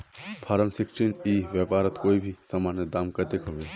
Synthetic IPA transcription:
pʰaːɾəmsɪksʈiniːʋjəpaːɾət̪koːibʱisəmaːned̪aːmkət̪ekɦoʋe

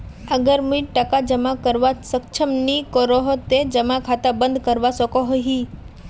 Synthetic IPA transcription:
əɡəɾmũiʈəkad͡ʒəmakəɾʋasək̚t͡ʃʰəmnikoɾoɦot̪ed͡ʒəmakʰat̪abənd̪ʱkəɾʋasɔkoɦoɦi

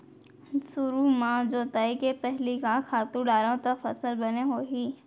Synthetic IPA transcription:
sʊɾumãːd͡ʒoːt̪aːikepɛɦlikãkʰaːt̪uɖaːɾõt̪ɐfɐsəlbɐneɦoːɦiː

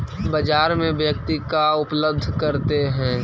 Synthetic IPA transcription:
bɐd͡ʒaːɾmẽbjək̚t̪ikaʊpləb̚d̪ʱkɐɾt̪eɦɛ̃ː

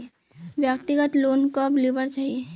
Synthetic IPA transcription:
bjəkt̪iɡət̪lonkəblibəɾt͡ʃaɦie

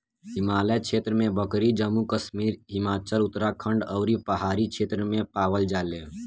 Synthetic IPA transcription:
ɦɪmaːləkʃʰeːt̪ɾəmẽbəkɾid͡ʒəmːukəʃmiːɾɦɪmaːt͡ʃəlʊt̪ɾakʰə̃ɳɖɐʊɾipəɦaːɾikʃʰeːt̪ɾəmẽpaːʋəld͡ʒaːleː

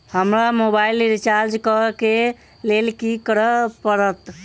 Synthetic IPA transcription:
həmɾamobailiɾit͡ʃaɾd͡ʒkəke | lelkikəɾəpəɾət̪

